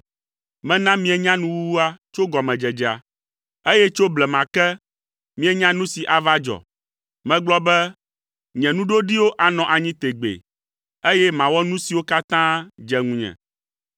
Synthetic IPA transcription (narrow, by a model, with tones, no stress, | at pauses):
mɛ̃˦nã˦mĩ˦ɛ˦ɲã˦nũ˦wu˦wu˦a˦t͡ʃo˦ɡɔ˨mɛ̃˨d͡ʒɛ˨d͡ʒɛ˨a˨ | e˦jɛ˦t͡ʃo˦blɛ˨mã˨kɛ˦ | mĩ˦ɛ˦ɲã˦nũ˦si˨ʔa˨va˦d͡ʒɔ̰˨ | mɛ̃˦ɡ͡blɔ˦bɛ˦ | ɲɛ̃˨nũ˦ɖo˦ɖi˦wo˦ʔa˨nɔ̃˨ʔa˨ɲĩ˦t̪e˨ɡ͡bḛ˨ | e˦jɛ˦mã˨wɔ˦nũ˦si˨wo˦ka˦t̪ã˦d͡ʒɛ˨ŋũ˨ɲɛ̰̃˨